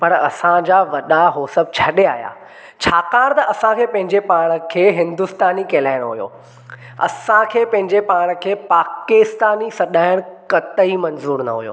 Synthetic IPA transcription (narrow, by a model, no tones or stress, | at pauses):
pɐɾɐ̰sãd͡ʑaːʋɐɗaɦoːsəb̚t͡ɕʰɐɗea̰ːɦija̰ː | t͡ɕʰaːkaːɾ̃t̪ɐʔɐsãkʰeːpɐ̃ɦɪ̃ɲd͡ʑepaːɽ̃ə̆kʰeːɦɪ̃nd̪ʊst̪aːnikeːlaːɪɽ̃oɦujo̰ː | ɐ̰sãkʰeːpɐ̃ɦɪ̃ɲd͡ʑepaːɽ̃kʰeːpaːkɪst̪aːnisɐɗaːɪɽ̃kɐt̪əimɐnzuːɾnɐ̰ɦujo̰ː